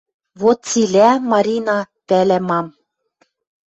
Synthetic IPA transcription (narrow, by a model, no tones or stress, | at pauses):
βot̪̚t͡silʲæmɑɾʲinɑ | pælæmɑm